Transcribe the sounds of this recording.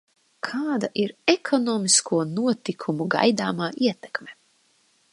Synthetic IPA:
kʰaːd̪aʔiɾekʰɔnɔːmiskʰuɔnuɔt̪ikʰumuɡa̰jd̪aːmaːʔiɛt̪ɛ̥kme

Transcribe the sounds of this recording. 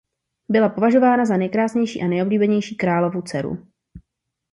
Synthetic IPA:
bɪlapo̞vaʒo̞vaːnazanɛjkɾaːsɲɛjʃḭːʔanɛjobliːbɛɲɛjʃiːkɾaːlo̞vut͡sɛɾṵ

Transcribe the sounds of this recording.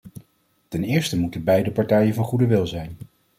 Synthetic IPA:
tɛnɪːɹstəmutəbɛjdəpɑɹtɛjənvɑnχudəʋɪlˠzɛjn

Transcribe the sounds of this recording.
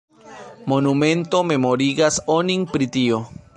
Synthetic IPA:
mo̞numẽ̞nto̞me̞mo̞ɾiɡasoniŋpɾit̪io

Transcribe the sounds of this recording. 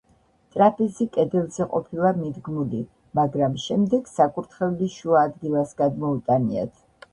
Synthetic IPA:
t̪ʼɾapʰʼizikʼɛd̪ɛlˠzɛqʼɔ̰pʰilˠamid̪ɡmuli | maɡɾamʃɛmd̪ɛɡ̥sakʼuɾt̪ʰχɛvliʃuaːd̪ɡilˠasɡad̪mɔut̪ʼania̰t̪ʰ

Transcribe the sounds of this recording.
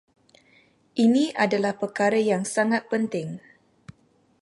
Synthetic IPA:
ʔinĩʔadalahpərkaɾəjaŋsaŋat̪̚pənt̪ɪŋ

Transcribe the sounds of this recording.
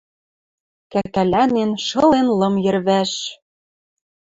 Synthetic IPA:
kækælænenʃɤ̆lenlɤ̆mjɘ̆rβæʃ

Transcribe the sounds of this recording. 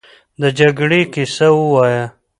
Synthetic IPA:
d̪əd͡ʒaɡɽekisawəwaja

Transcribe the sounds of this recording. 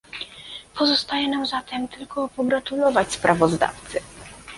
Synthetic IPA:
pʰɔzɔst̪ajɛnamzat̪ɛmt̪ɘlkɔpɔɡɾat̪ulɔvat͡ɕspɾʔavɔzd̪a̰ft̪sɘ

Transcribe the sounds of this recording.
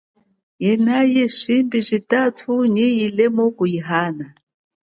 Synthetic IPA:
jɛnajɛʃimbizʷitatʰuɲijilɛmɔkujiɦana

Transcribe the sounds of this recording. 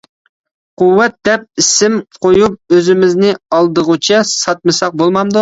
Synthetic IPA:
quwːɛt̪̚d̪ɛp̚isɪmqojup̚øzɪmɪznɪɑlˠd̪əʁut͡ʃʰɛsɑt̪̚mɨsɑq̚bolˠmɑmd̪u

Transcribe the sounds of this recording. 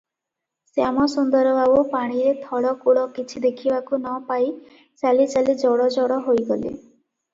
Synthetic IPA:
seamɔsund̪ɔɾɔbabopaɽ̃iɾet̪ʰɔɽɔkuɽɔkit͡ʃʰid̪ekʰibakunɔpaj | t͡ʃalit͡ʃalid͡ʒɔɽɔd͡ʒɔɽɔɦojɡɔlḭ

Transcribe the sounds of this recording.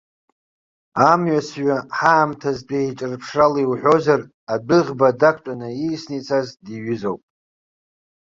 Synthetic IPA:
amɥasɥaħaːmtʰazbait͡ʃʼɨrpʰʂaliwħʷᶣo̞zar | abɨʁʲbadakʰʷt͡ʃʷʼanɨijsnit͡sʰazdiɥʏzowpʼ

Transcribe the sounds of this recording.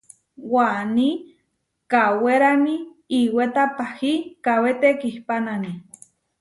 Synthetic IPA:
wani | kaweɾami | iwet̪apahikawet̪ekihpanani

